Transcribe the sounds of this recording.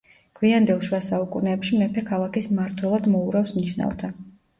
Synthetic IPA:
ɡ̥ʰwiand̪ɛlˠʃwasaukʼunɛːpʃimɛpʰɛkʰalˠakismaɾt̪ʰwɛlˠad̪mɔuɾafsniʃna̰vt̪ʰa

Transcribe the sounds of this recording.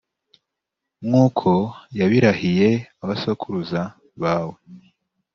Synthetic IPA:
mŋuːkʰo̞jaβiɾahije̞aβasokʰuɾuza | βaːwe̞

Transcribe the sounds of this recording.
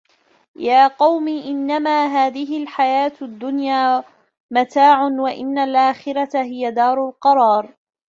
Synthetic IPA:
jaːqɑwmiʔɪnːamaːɦaːðɪɦɪlħajaːt̪d̪ːʊnjaː | mat̪aːʕʊnwaʔɪ̰nːalʔaːxɪɾat̪aɦɪjad̪ɑːɾˤʊlqɑɾˤɑːɾˤ

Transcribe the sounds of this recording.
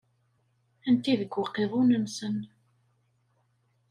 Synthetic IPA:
ənt̪iðəɡʷːəqːeðˤunənsən

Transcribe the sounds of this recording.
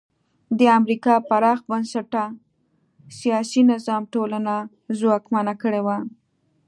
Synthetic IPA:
d̪əamɾikɑpaɾɑxbansaʈa | sijɑsinɪzɑmʈolana | zwɑkmanakəɽewa

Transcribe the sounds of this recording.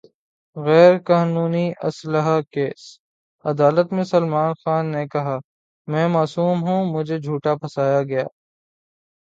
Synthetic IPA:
ɣɛːɾkaːnuːniʔɐ̰sləɦakeːs | ɐd̪aːlət̪mẽsɐlmaːnxaːnːekɐɦa | mɛ̃ːmaːsuːmɦũmʊd͡ʒʱed͡ʒʱuːʈapʰɐsaːjaɡɐja̰ː

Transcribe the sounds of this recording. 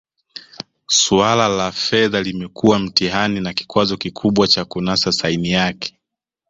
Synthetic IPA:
sualalafɛðalimɛkuwam̩tiɦaninaki̥kwazɔkikʰuɓwat͡ʃakunasasainijakʰɛ̥

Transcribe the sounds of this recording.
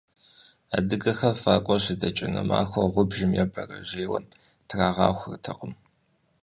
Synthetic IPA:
adɨɡɐxɐfaːkʷʼɔɕɪdɐt͡ʃʼɪnɐma̰ːxʷɐʁʷʊbʒɪmjɛbʰɐrɐʒeːwɐ̰n | tʰraːʁɑːxʷɨrtʰɐqəm

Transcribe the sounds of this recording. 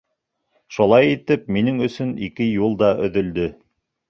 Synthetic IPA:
ʃulˠɑjit̪ɘp̚minɘŋɵ̆sɵnikɘjulˠd̪ɑʔɵ̆ðɵ̆ld̪ɵ

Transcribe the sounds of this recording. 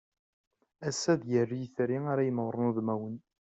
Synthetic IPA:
æsːæðjərːijθɾiaɾajəmʁɾˤənuðmæwən

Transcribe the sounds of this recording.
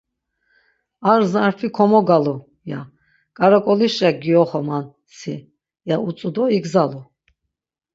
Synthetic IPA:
aɾzaɾfʰikʰɔmɔɡalu | ja̰ | kʼaɾakʼɔliʃaɡiɔχɔman | si | jaut͡sʼud̪ɔiɡzalu

